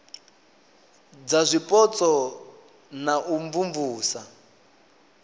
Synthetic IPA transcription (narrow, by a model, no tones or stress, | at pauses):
d͡zazʷipʼɔt͡sʼɔ | naʔuɱvuɱvuːsa